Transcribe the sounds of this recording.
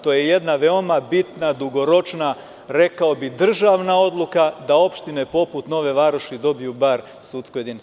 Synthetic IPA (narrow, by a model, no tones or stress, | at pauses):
t̪o̞jeje̞d̪naʋeo̞mabit̪nad̪uɡo̞ɾo̞t͡ʃna | ɾe̞kao̞bid̪r̩ʒaʋnao̞d̪lˠukad̪ao̞pʃt̪inepo̞put̪no̞ʋe̞ʋaɾoʃid̪o̞bijubaɾ | suːt̪skoje̞d̪ini